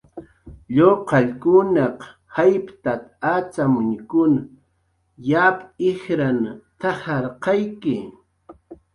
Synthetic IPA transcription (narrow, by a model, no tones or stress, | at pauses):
ʎoqɑʎkʊnɑq | hajpt̪at̪at͡samʊɲkʊn | japɪxɾant̪ahɑɾqɑjkɪ